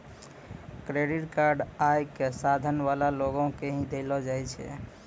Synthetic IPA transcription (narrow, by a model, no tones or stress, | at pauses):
kɾeɖiʈkaɾɖajkesad̪ʱənβalaloɡõkeɦĩd̪elɔd͡ʒajt͡ʃʰɛ̰